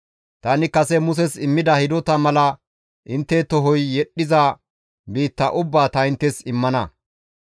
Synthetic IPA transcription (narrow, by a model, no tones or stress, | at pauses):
t̪ɐnɪkɐsɛmʊs̬ɛsɪmːɪd̪ɐhɪd̪ɔt̪ɐmɐlɐ | ʔɪnt̪ːɛt̪ɔɦɔjːɛɗːɪzɐ | biːt̪ːɐʔʊbːaːt̪ɐɪnt̪ːɛsɪmːɐnɐ